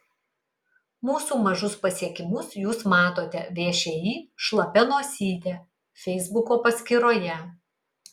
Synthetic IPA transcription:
muːsuːmɐʒʊspɐsʲiɛkʲɪmʊsjuːsmɑːt̪oːt̪ʲɛʋʲeːʃʲɛjiːʃlˠɐpʲɛnoːsʲiːt̪ʲɛ | fʲɛɪzbʊkoːpɐsʲkʲɪɾoːjɛ

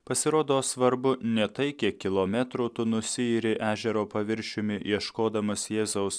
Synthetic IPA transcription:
pɐsʲɪɾoːd̪oːsʋɐɾbʊnʲɛt̪ɐɪkʲɛkʲɪlˠoːmʲɛt̪ɾʊt̪ʊnʊsʲɪiːɾʲɪʔæːʒʲɛɾoːpɐʋʲɪɾʲʃʲʊmʲɪiɛʃkoːd̪ɐmɐsjeːzɐʊs

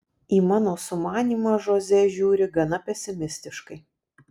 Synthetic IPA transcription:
iːmɑːnoːsʊmɑːnʲiːmɑːʒoːzʲɛʒʲuːɾʲɪɡɐnɐpʲɛsʲɪmʲɪsʲt̪ʲɪʃkɐɪ

